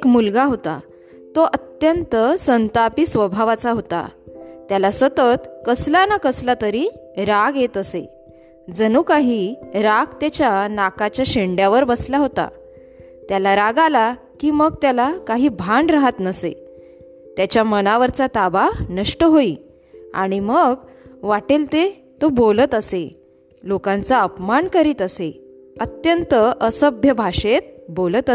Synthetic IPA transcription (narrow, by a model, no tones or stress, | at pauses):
ekmulɡaɦot̪a̰ | t̪oʔət̪jənt̪əsənt̪apisʋəbʱaʋat͡saɦot̪a̰t̪jalasət̪ət̪kəslanakəslat̪əɾiːɾaɡjet̪əse | d͡zənuːkaɦiːɾaɡt̪jat͡ɕjanakat͡ɕjaɕeɳɖjaʋəɾbəslaɦot̪a̰ | t̪jalaɾaɡala | kiːməɡ̚t̪jalakaɦiːbʱãɳɖɾaɦat̪nəsḛ | t̪jat͡ɕjamənaʋəɾt͡sat̪abanəʂʈəɦoiː | a̰ɽ̃iməɡʋaʈilt̪e | t̪obolət̪əse | lokãnt͡saəpmaɳkəɾiːt̪əse | ət̪jənt̪əʔəsəbʱjəbʱaʂet̪̚bolət̪ə